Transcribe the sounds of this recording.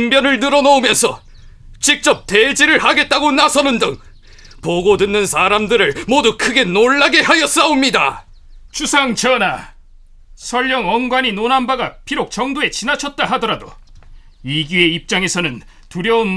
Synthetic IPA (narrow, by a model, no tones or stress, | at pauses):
ŋbjʌnɯɭnɯɾʌnoomjʌnsʰʌ | t͡ɕik̚t͡ɕ͈ʌp̚t͈e̞d͡ʑiɾɯɭɦaɡe̞t̚t͈aɡonasʰʌnɯndɯŋ | poɡodɯnːɯnsʰaːɾamdɯɾɯɭmodukʰɯɡe̞noɭːaɡe̞ɦajʌs͈aomɲida̰ | t͡ɕusʰaŋt͡ɕʌna | sʰʌʎːʌŋʌnɡwaɲinonanbaɡapʰiɾok̚t͡ɕʌŋdoe̞t͡ɕinat͡ɕʰʌt̚t͈aɦadʌɾado | iɡjue̞ip̚t͡ɕ͈aŋe̞sʰʌnɯn | tuɾjʌun